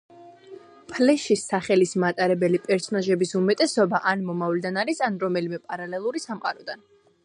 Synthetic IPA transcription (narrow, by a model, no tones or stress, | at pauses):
pʰlɛʃisaχɛlismat̪ʼaɾɛbɛlipʼɛɾsɔnaʒɛbisumɛt̪ʼɛsɔbaʔanmɔmavlid̪anaɾisanɾɔmɛlimɛpʼaɾalɛlˠuɾisamqʼaɾɔd̪an